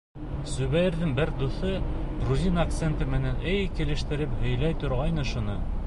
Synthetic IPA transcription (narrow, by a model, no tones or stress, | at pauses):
sʉβæjɘ̆ɾðɘŋbɘɾd̪uθɤɡɾuzʲinɐk̚t̪sent̪ɤmɘ̆nænɘjkɘ̆lɘ̆ʃt̪ɘ̆ɾɘphɵ̆jlæjt̪ŏɾʁɑjnɤ̆ʃŏnɤ